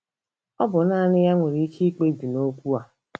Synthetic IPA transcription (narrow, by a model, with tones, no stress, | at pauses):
ɔ˦bʊ˨na˦˨nɪ˦ja˦ŋʷe˨ɾi˦i˦kʰi˦k͡pe˦bi˨no˦kʷu˦a˨